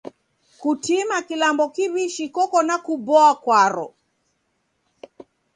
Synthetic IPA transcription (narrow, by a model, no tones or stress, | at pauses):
kutimakilambɔkiwiʃikɔkɔnakubɔakwaɾɔ̰